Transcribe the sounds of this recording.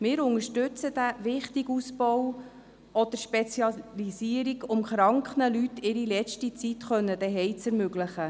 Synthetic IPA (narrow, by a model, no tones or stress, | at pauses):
mɪːɾʊŋəʃtʉt͡səd̥̪æʋɪχt̪iɡusbɔw | ɔd̪̥əɾʃpet͡sjɑlisiəɾiɡʊmχɾɑŋkχnəlyt̪ɪɾilɛt͡ʃtit͡sit̪χœnːəd̪ɛɦɛɪt͡sɛɾmøɡlɪχə